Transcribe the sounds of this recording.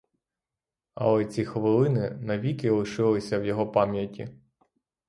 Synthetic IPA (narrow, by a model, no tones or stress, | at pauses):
ɐ̰lˠɛt͡sʲixɔʋɪlˠɪnɪnɐʋʲikɪlˠɪʃɪlˠɪsʲɐwjɔɦɔpɑmʲjɐtʲːi